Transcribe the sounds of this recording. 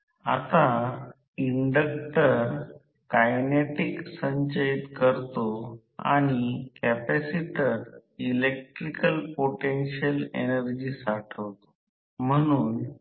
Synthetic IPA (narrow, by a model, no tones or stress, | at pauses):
a̰t̪a | iɳɖək̚ʈəɾ | kajneʈiksəɲt͡ɕait̪kəɾt̪o | a̰ɽ̃ikɛpɛsiʈəɾilek̚ʈɾikəlpoʈenɕəlḛnəɾd͡ʑiːsaʈʰəʋt̪o̥ | m̤əɽ̃uːn